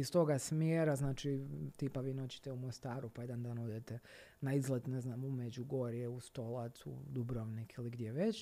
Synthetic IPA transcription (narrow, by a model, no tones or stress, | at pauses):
ist̪o̞ɡasmjeːɾaznaːt͡ʃit̪iːpaʋiːnot͡ɕi̥t̪ɛumost̪aːɾupaje̞d̪and̪aːnoːd̪et̪e | naizlˠet̪neznamumed͡ʑuɡo̞ɾjeust̪o̞lˠat̪sṵd̪ubɾoʋnikiliɡd̪jeʋet͡ɕ